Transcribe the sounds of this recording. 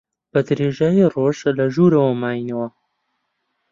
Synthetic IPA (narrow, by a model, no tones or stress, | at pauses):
b̥ɐd̪ɾeːʒaːjiroʒlɐʒuɾɐwɐmaːjinɐwɐ